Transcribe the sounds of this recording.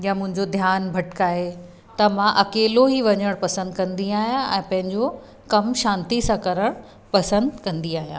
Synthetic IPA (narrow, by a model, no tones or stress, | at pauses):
jamʊ̃ɦɪ̃ɲd͡ʑod̪ʱjaːnbʱɐʈkaːɦe | t̪ɐmãʔɐkeːloɦiʋɐɲəɽ̃pɐsə̃nd̪kɐ̃nd̪iaːɦijãʔɛ̃ːpɐ̃ɦɪ̃ɲd͡ʑo | kɐmʃãːnt̪isãkɐɾəɽ̃ | pɐsə̃nd̪kɐ̃nd̪iaːɦijã̰ː